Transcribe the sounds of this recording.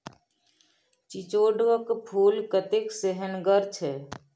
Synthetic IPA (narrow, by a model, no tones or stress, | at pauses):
t͡ʃit͡ʃoːɖʋəkpʰuːlkət̪ɪkseɦənɡəɾt͡ʃʰeː